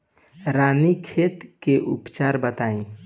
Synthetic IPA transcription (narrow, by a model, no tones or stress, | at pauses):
ɾanikʰet̪keʔṵpt͡ʃaɾbət̪aĩ